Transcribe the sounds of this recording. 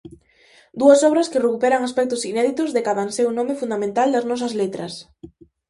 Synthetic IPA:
d̪uɐsɔβɾɐskɪrekupɛɾaŋaspɛk̚t̪ʊsinɛðit̪ʊzðekaðansewnɔ̃mɪfund̪amẽnt̪ald̪ɐznɔsɐzlet̪ɾɐs

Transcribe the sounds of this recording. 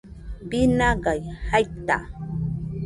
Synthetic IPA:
bɪnaɢɑjhajt̪a̰

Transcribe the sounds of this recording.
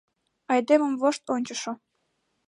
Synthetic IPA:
ɑjd̪emə̆mvoʃt̪onʲt͡ɕəʃo

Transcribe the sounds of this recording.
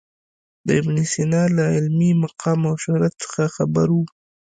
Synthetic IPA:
d̪əɪbnisinɑlaɪlmimaqʰɑmawʃʊɾat̪sə̥xaxabaɾwu

